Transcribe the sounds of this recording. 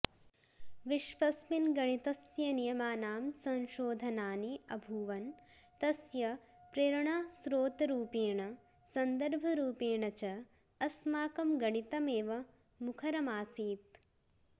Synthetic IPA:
ʋiʃʋɐsminɡɐɳit̪ɐsjɐnijɐmaːnaːmsɐ̃nʃoːd̪ʱɐnaːniɐbʱuːʋɐnt̪ɐsjɐ | pɾeːɾɐɳaːsɾoːt̪ɐɾuːpeːɳɐ | sɐnd̪ɐɾbʱɐɾuːpeːɳɐt͡ʃɐː | smaːkɐmɡɐɳit̪ɐmeːʋɐ | mukʰɐɾɐmaːsiːt̪̚

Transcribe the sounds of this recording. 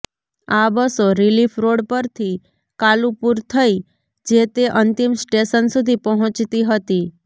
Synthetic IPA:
abəsoɾilifɾoɽpəɾt̪ʰi | kalupuɾt̪ʰəi | d͡ʒet̪eʔənt̪imsʈeʃənsud̪ʱipəɦɔ̃t͡ʃt̪iɦət̪i

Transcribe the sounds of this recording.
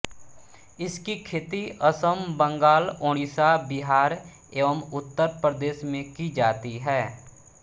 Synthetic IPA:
ɪskikʰeːt̪iəsəmbə̃ŋɡaːloːɽ̃iːsabɪɦaːɾ | eːʋəmʊt̪ːəɾpəɾəd̪eːʃmẽkid͡ʒaːt̪iɦɛː

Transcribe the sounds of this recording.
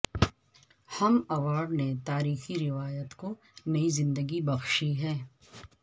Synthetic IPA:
hɐmɐʋaːɾɖnet̪aːɾiːxiɾɪʋaːjət̪ko | nɐizɪ̃nd̪əɡibɐxʃiɦɛː

